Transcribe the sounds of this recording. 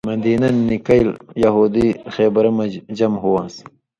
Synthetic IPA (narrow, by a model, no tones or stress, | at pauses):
mɐnd̪iːnɐnːikɐiljɐɦuːd̪ixeːbɐɾɐmɐd͡ʑɐmɦuwãːs